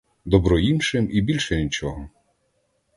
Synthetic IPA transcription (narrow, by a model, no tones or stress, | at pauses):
d̪ɔbɾɔjimʃɪmibʲilʲʃɛnʲit͡ʃɔɦɔ